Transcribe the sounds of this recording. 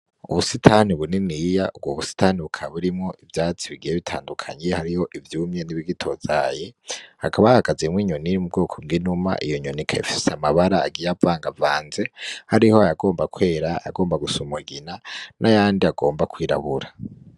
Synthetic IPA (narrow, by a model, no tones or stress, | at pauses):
uβusitʰaːniβuninijaub̚ɡwoβusi̥taːniβukʰaβuɾimŋo̞ʔivjaːt͡siβiɡijeβitʰaːndukʰa̰ɲehaɾiho̞ʔivjuːmɲeniβiɡitʰo̞zajehakʰaβajhaɡazemwiːɲonimub̚ɡoːkʰob̚ɡinuma̰ʔijoɲonikʰaḭfi̥seamaβaɾaa̰ɡijavaːŋɡavaːnzehaɾihoajaɡo̞ːmbakwe̞ːɾaa̰ɡo̞ːmbaɡusumuɡinanʔajaːndiaɡo̞ːmbakwiːɾa̰βuɾa